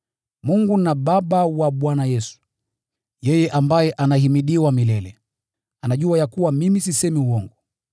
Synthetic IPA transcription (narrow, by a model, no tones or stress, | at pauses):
muŋɡunaɓaɓawaɓwanajɛsu̥ | jɛjɛʔambajɛʔanaɦimiɗiwamilɛlɛ | anaʄuajakuwamimisisɛmiuwɔŋɡu